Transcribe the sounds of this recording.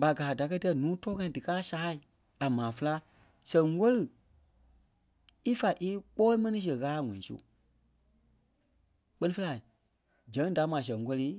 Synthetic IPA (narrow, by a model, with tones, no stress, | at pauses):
ba˨ɡaː˨da˨kɜ˦tɛ˧˦nũː˨˦tɔː˦ŋã˧ĩ˦˨dɨ˨kaː˦saː˨˦i˨ | a˨mãː˨fə˧la˦ | sɛ̃˨ŋ˦wɔ˦lɨ˨ | i˦fa˨ʔi˦k͡pɔː˦i˦mɛ̃˦nĩ˦s̬ə˨ɣaː˦˨ŋɔ̃˨ĩ˨sṵ˦ | k͡pɜ˦nĩ˦fə˧˦a˨ | d͡ʒɛ̃˨˦ŋ˦da˨˦mãː˨s̬ɛ̃˨ŋ˦kɔ˦liː˦